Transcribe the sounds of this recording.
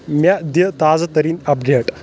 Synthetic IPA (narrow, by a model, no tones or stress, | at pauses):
mad̪jət̪ad͡zt̪əɾiːnəp̚ɖeʈ